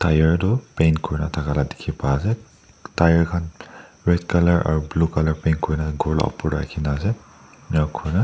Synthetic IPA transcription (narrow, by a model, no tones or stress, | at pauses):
tajaɹdɔpenkʰɔɹnatʰakalade̥kʰipaːsɛ | tajaɹkʰan | ɹɛdkalaɹa̰ɹublukalaɹpejnkʰɔɹinaɡʱɔɹla̰ɔ̰pɔɹda̰kʰinaːsɛ | iakʰɔɹna